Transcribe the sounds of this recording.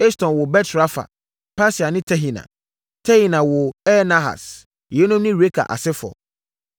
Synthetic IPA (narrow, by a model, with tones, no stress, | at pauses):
ɛ˦stʰɔ̃˨nwʊ˨bɛ˦tsɾa˦fa̰˨ | pʰa˦si˨a˨nɪ̃˦tʰɛ˦ɦi˨nã̰˨ | tʰɛ˦hi˨nã˨wʊ˨ɛ˦nã˦ɦa̰˨s | jɛ˨˦nʊ̃˦mnɪ̃˦ɾe˦kʰa̰˨ʔa̰˨sɪ˦fɔ̰˨